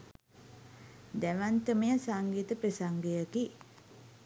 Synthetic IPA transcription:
d̪æʋant̪əmejəsaŋɡiːt̪əpɾesaŋɡejəki

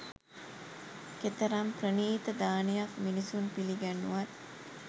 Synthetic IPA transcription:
ket̪ɐɾamprəniːt̪əd̪aːnejakminisunpiliɡænːuʋɐt̪

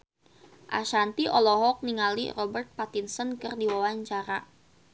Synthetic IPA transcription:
ʔa̰ʃant̪iʔɔlɔɦɔk̚niŋalḭrɔbərt̪̚pat̪insɔnkɨrdiwawaɲt͡ʃaɾa

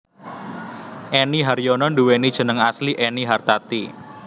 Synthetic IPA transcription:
ʔeniɦaɾjɔnɔnduwenid̥ʒ̥ə̤nəŋasliʔɛniɦart̪at̪i

